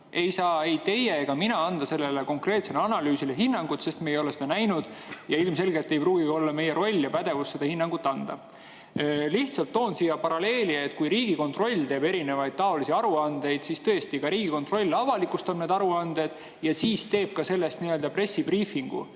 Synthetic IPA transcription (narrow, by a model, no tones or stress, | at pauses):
e̞jsɑːejt̪e̞jeɡ̥ɑminɑɑnd̪̥ɑse̞lːe̞leko̞ŋkre̞ːt̪seleɑnɑlyːsileɦinːɑŋɡ̥ut̪se̞st̪meːjo̞lesed̪ɑnæjnud̪̥jɑilmse̞lɡelt̪ːe̞jpruːɡio̞lːɑme̞jːeɾo̞lʲːjɑpæd̪̥e̞vusːe̞d̪ɑhinːɑŋɡ̥ut̪ːˑɑnd̪̥ɑ̰ | liht̪sɑlt̪ːo̞ːnsiːjɑpɑɾɑle̞ːliet̪̚ːˑkujɾiːɡ̥iko̞nt̪ro̞lʲːt̪e̞ːbe̞ɾine̞vɑjd̪̥̚t̪ɑo̞lisiɑɾuɑnd̪̥e̞jd̪̥sist̪ɤest̪ikɑɾiːɡ̥iko̞nt̪ro̞lʲːɑvɑlikːust̪omneːd̪ɑɾuɑnd̪̥e̞d̪̥ | jɑsiːst̪e̞ːb̥̚kɑse̞lːe̞st̪niøld̪ɑpre̞sːibriːfiŋɡ̥ṵ